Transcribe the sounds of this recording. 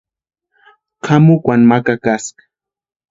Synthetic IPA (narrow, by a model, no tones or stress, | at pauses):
qʰamʊkwanmakakaskḁ